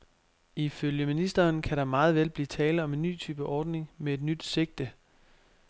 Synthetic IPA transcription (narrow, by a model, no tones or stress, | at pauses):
iføljəminisd̥ɐːnkʰæɾɑ̈mɑ̈ːð̩ˠʋelb̥liːt͡sʰɛːlɒ̽me̝nːy̰ːt͡sʰyːb̥əʔɒːd̥ne̝ŋmee̝d̥nyd̥se̝ɡ̥̚d̥ə